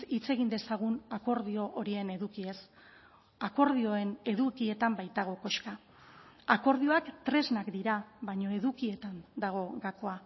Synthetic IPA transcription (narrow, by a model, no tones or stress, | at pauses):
it͡se̞ɣind̪e̞saɣ̞unako̞ɾðio̞ʔoɾie̞ne̞ðukie̞s | ako̞ɾð̞io̞e̞ne̞ðukie̞t̪ambajt̪aɣ̞o̞ko̞ʃka | ako̞ɾðio̞akt̪ɾe̞znakd̪iɾaβaɲo̞e̞ðukie̞t̪and̪aɣ̞o̞ɣako̞a